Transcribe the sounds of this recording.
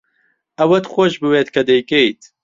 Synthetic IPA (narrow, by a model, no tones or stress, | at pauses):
ɐwɐt̪xʷoʃbɨweːt̪kʰɐd̪ejkejt̪